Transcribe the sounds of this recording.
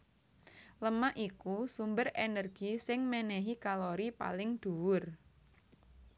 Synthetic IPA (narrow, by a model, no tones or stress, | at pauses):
ləmaʔikusumbərenərɡ̥isɪŋmɛnɛɦikaloɾipa̰lɪŋd̪̥uwʊr